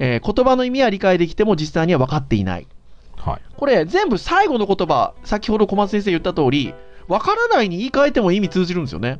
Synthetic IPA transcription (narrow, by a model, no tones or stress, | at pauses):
eko̞t̪o̞bano̞imʲiaɾʲikaed̪e̞kʲi̥t̪e̞mo̞d͡ʑisːaiɲ̟iβaβ̞akat̪ːe̞ḭna̰ḭ | hko̞ɾe̞d͡zẽ̞mbɯ̟saiɡo̞no̞kot̪o̞ba̰sakʲiho̞d̪o̞ko̞mas̬ẽs̬ejɯ̟t̪ːat̪o̞ːɾʲiβakaɾanaiɲ̟iiːkaet̪e̞mo̞imʲit͡sɨːʑiɾɯ̟nd̪esɨjone̞